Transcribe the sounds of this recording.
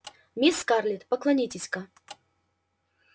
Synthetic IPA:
mʲiskarlʲɪt̪pəklˠɐnʲitʲɪsʲka

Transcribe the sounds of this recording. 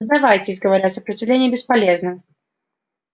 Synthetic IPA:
zd̪avajtʲɪsʲɡəvɐɾʲat̪ʲsəpɾət͡sʲɪvlʲenʲɪjəbʲɪspɐlʲeznɨm

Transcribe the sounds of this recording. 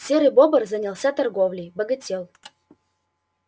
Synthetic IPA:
sʲeɾɨbobərzɐnʲɪlˠsʲat̪ɐrɡovlʲɪjbəɡɐtʲelˠ

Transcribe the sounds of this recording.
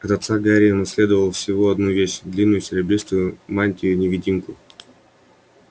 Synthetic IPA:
ɐt̪ɐt̪saɡaɾʲɪənɐsʲlʲe̞d̪əvəlˠfsʲɪvoɐd̪nuvʲeɕd̪lʲinːʊjʊsʲɪɾʲɪblʲist̪vʊjʊmanʲtʲɪjʊnʲɪvʲɪdʲimkʊ

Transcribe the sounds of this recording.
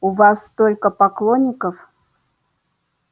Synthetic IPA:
ʊvasːt̪o̞lʲkəpɐklˠonʲːɪkəf

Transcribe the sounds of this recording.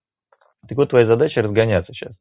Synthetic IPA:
t̪ɨkvot̪ːvɐjazɐd̪at͡ɕɪɾəzɡɐnʲat̪sə̥ɕa̰s

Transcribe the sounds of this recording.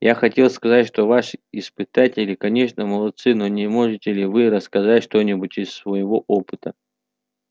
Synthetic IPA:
jaxɐtʲe̞lˠskɐzatʲʂt̪ovaʂɨɪspɨt̪atʲɪlʲɪkɐnʲe̞ʂnəməlˠɐt̪sɨno̞nʲɪmo̞ʐɨtʲɪlʲɪvɨɾəskɐzatʲʂt̪onʲɪbutʲɪsːvəjɪvo̞ʔo̞pɨt̪ə

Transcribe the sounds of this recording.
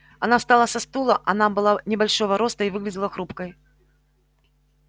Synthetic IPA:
ɐnafst̪alˠɐsɐst̪ulˠɐʔɐnabɨlˠanʲɪbalʲʂɔvɐɾɔst̪əivɨɣlʲɪdʲɪlˠɐxɾupkəj

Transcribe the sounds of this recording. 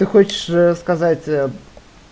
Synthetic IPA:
t̪ɨxot͡ɕɪ̥ʂskɐzatʲ

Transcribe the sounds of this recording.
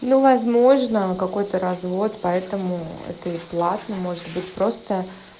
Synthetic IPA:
nuvɐzmo̞ʐnəkɐko̞jt̪əɾɐzvo̞t̪pɐɛt̪əmʊɛ̰t̪əiplˠat̪nəmo̞ʐɨt̪bɨtʲpɾo̞st̪ə

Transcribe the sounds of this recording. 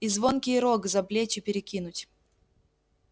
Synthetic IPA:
izvonkʲɪjɾoɡzɐblʲet͡ɕɪpʲɪɾʲɪkʲinʊtʲ

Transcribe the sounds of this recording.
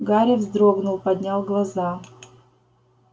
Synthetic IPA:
ɡaɾʲɪvzd̪ɾoɡnʊlˠpɐd̪ʲnʲalˠɡlˠɐza

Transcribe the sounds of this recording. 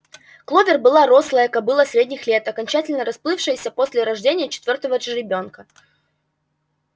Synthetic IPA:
klˠovʲɪrbɨlˠaɾo̞slˠəjəkɐbɨlˠəsʲɾʲedʲnʲɪxlʲe̞t̪ɐkɐnʲt͡ɕætʲɪlʲnəɾɐsplˠɨfʂɨjəsʲəpo̞sʲlʲɪɾɐʐdʲenʲɪjət͡ɕɪ̥t̪vʲo̞rt̪əvəʐɾʲɪbʲo̞nkə

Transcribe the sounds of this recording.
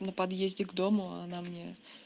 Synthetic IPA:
nəpɐd̪jezʲdʲɪɡd̪o̞mʊa̰namnʲe

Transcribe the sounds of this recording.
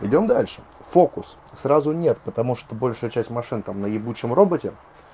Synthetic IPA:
ɪ̰dʲo̞md̪alʲʂɨ̥ | fo̞kʊs | sɾazʊnʲet̪pət̪ɐmuʂt̪obo̞lʲʂʊjət͡ɕæsʲtʲmɐʂɨnt̪amnəjɪbut͡ɕəmro̞bətʲɪ

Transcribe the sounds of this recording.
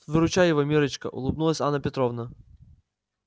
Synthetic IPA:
ʋɪɾʊt͡ʃajɛʋɔmʲiɾɪt͡ʃkɐ̰ʔʊ̰lˠʊb̚nulˠɐsʲanːɐpʲɛt̪ɾɔvnɐ

